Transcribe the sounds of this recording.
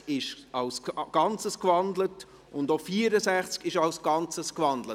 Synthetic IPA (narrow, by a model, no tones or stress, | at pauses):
ɪʃɑlsɡ̥ɑnt͡səskvɑndlət | ʊndofiəɾəsæχt͡skɪʃɑlsɡ̥ɑnt͡səskvɑndlə